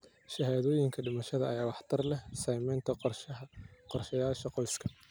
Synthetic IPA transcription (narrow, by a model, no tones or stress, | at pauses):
ʃɐɦaːðɔːjɪŋkʰɐɖɪmɐʃɐðɐɐjaːwɑħt̪ʰɐrlɛhsɐjmɛjnt̪ʰɐ | qɔrʃɐjaːʃɐqɔjskʰɐ